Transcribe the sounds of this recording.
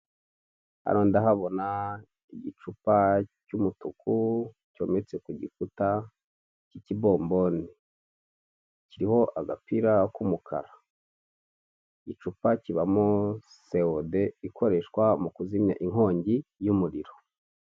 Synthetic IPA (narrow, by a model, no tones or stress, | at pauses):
a̰ɾoːndaɦaβo̞na | iɟit͡ʃupacumutuku | co̞̰ːmet͡sekuɟḭfuta | cicibo̞ːmbo̞ni | ciɾiho̞ʔaɡapiɾakumukʰa̰ɾa | iɟit͡ʃupaciβamo | se̞ode̞iko̞ɾe̞ʃkwamukuzimɲa̰ʔiŋo̞ːɲɟijumuɾiɾo̞